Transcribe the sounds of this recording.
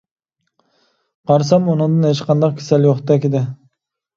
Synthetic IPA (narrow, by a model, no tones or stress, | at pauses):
qʰɑɾsɑmunɨŋd̪ɨnet͡ʃqʰɑnd̪ɑqkʲʰɪ̥sɛljoχd̪ɛkʲɪd̪ɪ